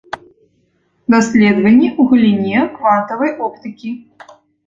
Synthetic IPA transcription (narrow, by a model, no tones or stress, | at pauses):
d̪asʲlʲɛd̪vɐnʲːɛuɣlʲinʲɛkvant̪ɐvɐjɔpt̪ɨkʲi